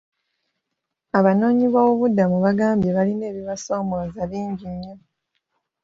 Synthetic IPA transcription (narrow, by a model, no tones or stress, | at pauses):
aβano̞ːɲiβwawo̞βudamuβaɡaːmbjeβaline̞ːβiβaso̞ːmoːzaβiːɲɟiɲːo̞